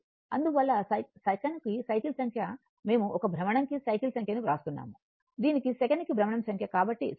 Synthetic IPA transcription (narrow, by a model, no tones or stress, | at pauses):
ɐnd̪uʋɐlːɐsɐjsɐkɐnkisɐjkilsɐŋkʰjɐ | me̞ːmuʔɔkɐbʱɾɐmɐɳɐŋkisɐjkilsɐŋkʰjɐniɾaːst̪unːa̰ːmu | d̪iːnikisɛkɐɳɖkibʱɾɐmɐɳɐmsɐŋkʰjɐkaːbɐʈːḭ